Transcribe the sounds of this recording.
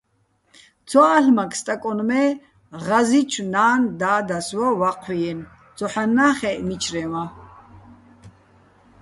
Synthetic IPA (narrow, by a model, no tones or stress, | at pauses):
t͡sʰwaːɬmakʰst̪ʼakʼɔnmɛ | ʁazit͡ʃʰnaːnd̪aːd̪aswawaqʼʰwiɛn | t͡sɔħanːaːχɛʔmit͡ʃʰɾɛwa